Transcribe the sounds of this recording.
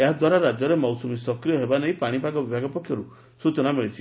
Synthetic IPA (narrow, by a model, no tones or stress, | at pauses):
eɦad̪waɾaɾad͡ʒjɔɾemɔwsumisɔkɾijɔɦebaneipaɽ̃ipaɡɔbibʱaɡɔpɔkʰjɔɾu | sut͡ʃɔnameɭit͡ʃʰi